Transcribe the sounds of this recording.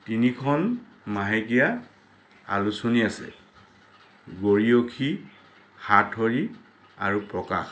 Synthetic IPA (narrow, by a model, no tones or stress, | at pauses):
tinikʰɔn | maɦekija | a̰lusoniasɛ̰ | ɡoɹiokʰi | xatʰoɹi | a̰ɹupɹɔka̰x